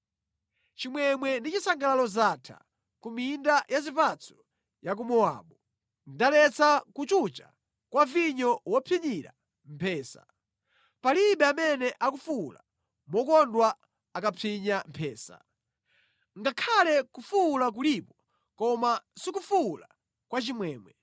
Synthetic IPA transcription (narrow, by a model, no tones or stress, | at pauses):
t͡ʃimwɛmwɛndit͡ʃisaŋɡalalɔzaːtʰa̰ | kumindajazipat͡sʰɔ̥ | jak̬umɔa̰ːɓu | ndalɛt͡sakut͡ʃut͡ʃa̰ | kwaviɲɔwɔpʰiɲiɾa̰ | m̩pʰɛːsa̰ | paliɓɛamɛnɛʔak̬ufula̰ | mɔkɔndwa | akapʰiɲam̩pʰɛːsa̰ | ŋɡakʰalɛkufulak̬ulipɔ | kɔmasikufula | kwat͡ʃimwɛːmwɛ